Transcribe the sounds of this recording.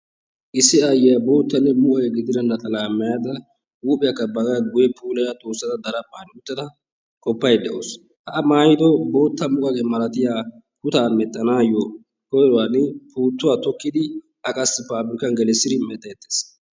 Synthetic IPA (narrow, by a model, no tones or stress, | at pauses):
ʔɪsːɪɐjɛjɐbo̞ːt̪ːɐnːɛmʊʔɔjɛɡɪd̪ɪd̪ɐnːɐt̪ʼɐlaːmːɐjaːd̪ɐ | wuːpʼɪjɐkːɐbɐɡɐɡʊjɛpʰuːlɐjat̪ʼoːsːɐd̪ɐd̪ɐɾɐpʼːaːnɪʊt̪ːɐd̪ɐ | kʼɔpːɐjd̪ɛʔo̰ːs | hɐʔːmaːjɪd̪ɔbo̞ːt̪ːɐmʊkʼɐɡeːmɐlɐt̪ɪjaː | kʊt̪aːmɛt̪ʼːɐnaːjɔ | hɔjɾɔwanɪpʰuːt̪ːʊwat̪ɔkːɪd̪ɪ | ɐkʼɐsːɪpaːbɾɪkɐnɡɛlɛsːɪd̪ɪmɛt̪ʼːɐɛt̪ːe̥ːs